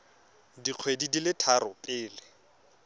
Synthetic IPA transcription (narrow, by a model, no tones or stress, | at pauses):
diq͡χʰwedidilɪtʰaɾʊpʼɪːlɪ